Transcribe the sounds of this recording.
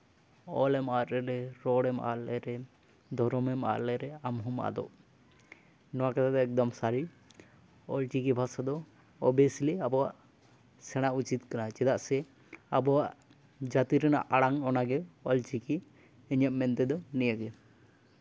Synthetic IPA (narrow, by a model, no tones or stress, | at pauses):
ɔlɛmaɾɾɛɾɛɾɔɽɛma̰lɛɾɛ | d̪ʱɔɾɔmɛma̰ʔlɛɾɛamɦɔma̰d̪ɔ̰ʔ | nɔwakat̪ʰat̪ɛɛk̚d̪ɔmsaɾi | ɔlt͡ʃikibʱasad̪ɔ | ɔbɛsliabɔwaʔ | sɛɽ̃aut͡ʃit̪̚kanat͡ʃɛd̪aʔsɛ | abɔwaʔ | d͡ʒat̪iɾɛna̰ʔaɽaŋɔnaɡɛɔlt͡ʃiki | ɛɲaʔmɛnt̪ɛd̪ɔnijaɡɛ